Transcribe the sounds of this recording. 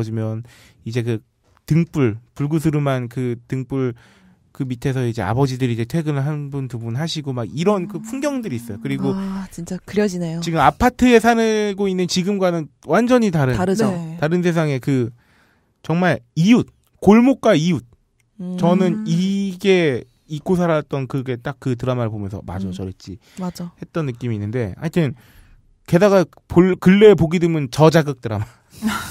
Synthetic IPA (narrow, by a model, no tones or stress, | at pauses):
d͡ʑimjʌn | id͡ʑe̞k̬ɯ | tɯŋp͈uɭpuɭɡus̬ʰɯɾumankɯtɯŋp͈uɭ | kɯmitʰe̞sʰʌid͡ʑe̞̰a̰bʌd͡ʑidɯɾid͡ʑe̞tʰwe̞ɡɯnɯɭɦanbunpubunɦaɕʰiɡomaɡiɾʌnkɯpʰuŋɡjʌŋdɯɾiːs͈ʌjokɯɾiɡot͡ɕint͡ɕ͈akɯɾjʌd͡ʑinejot͡ɕiɡɯmapʰatʰɯe̞sʰanɯɡoinːɯnt͡ɕiɡɯmɡwanɯnwand͡ʑʌɲitaɾɯaɾɯotaɾɯns̬ʰe̞s̬ʰaŋe̞kɯ | t͡ɕʌŋmaɭiut̚ | koɭmok̚k͈waiut̚ | t͡ɕʌnɯniɡe̞ | ik͈osʰaɾat̚t͈ʌnkɯɡe̞t͈ak͈̚ːɯt̬ɯɾamaɾɯɭpomjʌnsʰʌ̰ma̰d͡ʑʌt͡ɕʌɾʌt͡ɕ͈i | mad͡ʑahe̞t̚t͈ʌnːɯk͈imiːnːɯnde̞̰a̰ɲitʰɯn | ke̞daɡa | pokɯɭːe̞poɡidɯmjɯnt͡ɕʌd͡ʑaɡɯk̚t͈ɯɾa̰ma